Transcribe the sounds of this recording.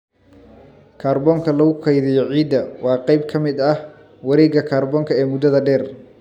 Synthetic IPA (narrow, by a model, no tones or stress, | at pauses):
kʰaːrbɔːŋkʰɐlɐɣʊkʰɐjðɪjɔʕiːd̪ɐwɑːqɑjb̚kʰɐmɪd̪ɐh | wɐɾɛːɡɐkʰaːrbɔːŋkʰɐɛːmʊd̪ɐðɐɖɛːr